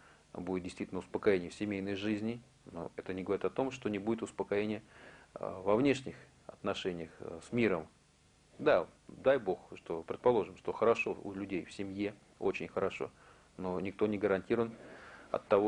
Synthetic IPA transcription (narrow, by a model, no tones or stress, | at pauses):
budʲɪt̪̚dʲɪst̪ʲitʲlnʊspəkɐjenʲɪjəfsʲɪmʲejnəjʐɨzʲnʲɪ | no̰ɛt̪ənʲɪɡəvɐɾʲit̪ɐt̪o̞mʂt̪o̞nʲɪbudʲɪt̪ʊspəkɐjenʲɪjə | vɐvnʲe̞ʂnʲɪx | ɐ̰t̪nɐʂɛnʲɪjəxsmʲiɾəm | d̪a | d̪ajbo̞xʂt̪o̞pɾʲɪt̪̚pɐlˠo̞ʐɨmʂt̪o̞xəɾɐʂo̞ʊ̰lʲʉdʲejfsʲɪmʲje | o̞̰t͡ɕɪnʲxəɾɐʂo̞̰ | no̞nʲɪk̚t̪o̞nʲɪɡəɾɐnʲtʲiɾəvənɐ̰t̪ːɐvo